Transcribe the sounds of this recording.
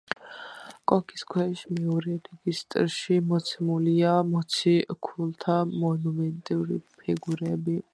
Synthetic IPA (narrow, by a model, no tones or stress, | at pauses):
kʼɔkʰiskʰwɛʃmɛɔɾɛɾɛɡist̪ʼɾʃimɔt̪sʰɛmuliamɔt̪sʰikʰult̪ʰamɔnumɛnt̪ʼiuɾḭpʰiɡuɾɛbi